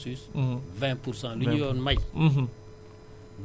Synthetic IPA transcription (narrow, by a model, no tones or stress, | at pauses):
sysvɛ̃puɾsãliɲɔnmaj̩ɦ̩ | v